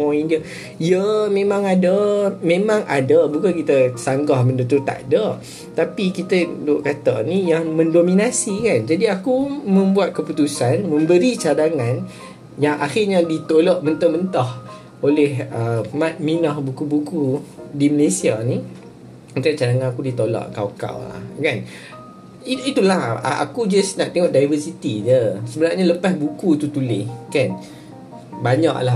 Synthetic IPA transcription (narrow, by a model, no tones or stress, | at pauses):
ɔindia | ijəmẽmãŋadəmẽmãŋʔadəbukankit̪əsaŋɡahmə̃ndət̪ut̪a̰ʔdə | t̪apikit̪ədoʔkat̪anijaŋmə̃ndominasikand͡ʒadiakumə̃mbuat̪̚kəput̪usanmə̃mbəɾit͡ʃadaŋãn | jaŋʔaxirɲadit̪oloʔ̚mənt̪əmənt̪ah | olɛhəmat̪̚minɔhbukubukudiməlesianĩ | ət̪aʔt͡ʃadaŋãnakudit̪olɔ̰ʔkawka̰wla̰hkan | iit̪ulaha̰a̰kud͡ʒasnaʔt̪eŋɔʔdajvəsit̪id͡ʒəsəbənaʔɲaləpasbukut̪ut̪ulɪhkan | baɲa̰ʔla